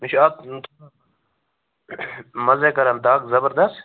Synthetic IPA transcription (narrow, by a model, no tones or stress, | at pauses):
mɪʃʰak̚nt̪ | mɐzekɐɾɐmt̪aːkzɐbəɾd̪ɐst̪